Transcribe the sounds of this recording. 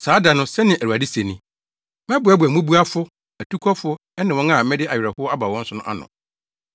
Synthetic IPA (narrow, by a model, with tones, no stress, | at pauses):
saː˨˦da˨nʊ̃˦sɛ˦nɪ̃˨ʔæ˨u˨a˨dɪ˦se˨nĩ˦ | mɛ̃˦bʊ˨˦æ˦bʊ˨æ˨mũ˦bu˦a˦fʊ˦ | æ˨tʰu˦kʰɔ˦fʊ˦ | ɛ˦nɪ̃˨wɔ̃˦ŋa˦˨˦mɛ̃˦dɪ˦ʔa˨ɥɪ˨ɾɛ˨hʊ˦ɔ˦a˦ba˨wɔ̃˦n̩˦sʊ˦nʊ̃˦ʔa̰˦nʊ̰̃˨